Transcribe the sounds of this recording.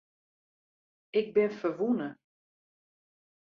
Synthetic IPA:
ɪk̚bɪnfərʋunə

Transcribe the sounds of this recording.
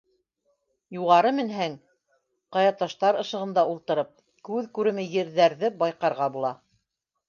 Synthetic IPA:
juʁɑɾɤmɘ̆nɦæŋ | qɑjɑt̪ɑʃt̪ɑɾɤ̆ʃɤ̆ʁɤ̆nd̪ɑulˠt̪ɤ̆ɾɤp̚ | kʉðkʉɾɘ̆mɘjɘ̆ɾðæɾðɘbɑjqɑɾʁɑbulˠɑ

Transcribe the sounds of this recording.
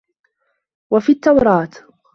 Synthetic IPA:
wafiːt̪ːawɾˤɑːt̪

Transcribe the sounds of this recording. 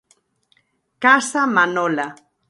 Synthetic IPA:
kasamanola

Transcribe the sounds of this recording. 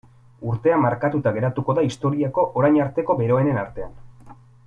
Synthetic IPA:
uɾt̪e̞amːaɾkat̪ut̪aɣe̞ɾat̪uko̞ðaist̪o̞ɾiako̞ʔoɾajɲaɾt̪e̞ko̞be̞ɾo̞e̞ne̞naɾt̪e̞an

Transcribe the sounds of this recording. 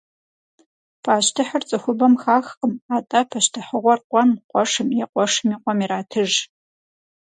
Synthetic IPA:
pʰaːɕtʰɨħərt͡sʼɨxʷʊbɐmxaːxəmaːtʼɐpʰɐɕtʰɨħəʁʷɔrqʷʼɔnqʷʼɔʂɨmiqʷɔʂɨmiːqʷɔmiraːtʰɨʒ

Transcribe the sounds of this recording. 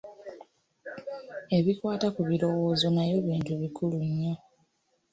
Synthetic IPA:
e̞βikwaːtakuβilo̞wo̞ːzo̞najo̞βiːntuβikuluɲːo

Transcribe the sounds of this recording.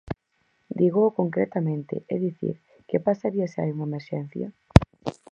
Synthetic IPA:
d̪iɣokoŋkɾet̪amẽnt̪ɪ̰ʔeðiθḭɾ | kepasaɾiasea̰juŋemeɾʃɛn̟θjɐ̰

